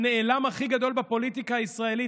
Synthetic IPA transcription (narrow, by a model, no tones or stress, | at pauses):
neelamaχiɡad̪o̞lbapo̞lit̪ikaːisʁae̞li